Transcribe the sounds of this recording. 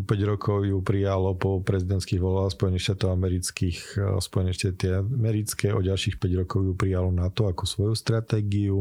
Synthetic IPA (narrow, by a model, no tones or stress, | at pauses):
ɔpɛɟɾɔkʰɔʊjupɾijalɔpɔpɾɛzid̪ɛnt̪skiɣʋɔlbaːspɔjɛnixʃt̪aːt̪ɔʊamɛɾit͡skixspɔjɛniʃt̪at̪mɛɾit͡skɛːɔɟalʃixpɛɟɾɔkɔʊjupɾijalɔnat̪ɔakɔsʋɔjust̪ɾat̪ɛːɡiu